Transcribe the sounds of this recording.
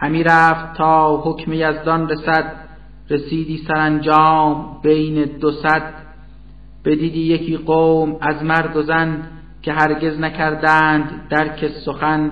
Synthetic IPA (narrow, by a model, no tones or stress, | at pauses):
hæmiːɾæːft̪t̪ʰːɒːɦokʰmejæzd̪ɒnresæd̪ | resiːd̪iːsæɾænd͡ʒɒːmbe̞jned̪osæd̪̥̚ | b̥e̞d̪iːd̪iːjecʰiːɢoːmæzmæɾd̪ozænd̪ | cʰe̞ɦæɾɟe̞znæcʰæɾd̪æːnd̪ːæɾkʰesoxæn